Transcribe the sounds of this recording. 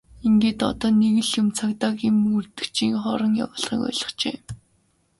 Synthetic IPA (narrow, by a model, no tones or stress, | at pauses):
iŋɡeːt̪ɔ̰t̪ɔːneɣɘ̆ɮjʊmt͡sʰakt̪aːkimurt̪ɘ̥̆kt͡ɕiːŋχɔːɾɞ̆ŋja̰wʊːɮʁχḭːkœ̰ːɮə̥̆χt͡ɕeː